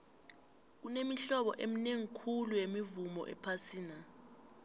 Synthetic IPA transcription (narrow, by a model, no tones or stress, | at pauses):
k̬unemiɬɔɓɔ̰ʔemineŋikʰulujemivumɔ̰ʔɛ̰pʰasiːna